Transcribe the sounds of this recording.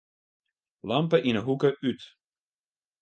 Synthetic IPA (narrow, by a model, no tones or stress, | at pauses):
lɑmpəʔinəɦukəʔyt